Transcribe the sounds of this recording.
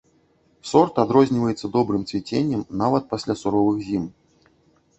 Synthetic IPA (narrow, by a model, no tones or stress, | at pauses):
sɔrt̪ad̪ɾɔzʲnʲivɐjɛt̪sːɐd̪ɔbɾɨmt̪sʲvʲit͡sʲenʲːɐmnavɐt̪̚pasʲlʲasuɾɔvɨxzʲim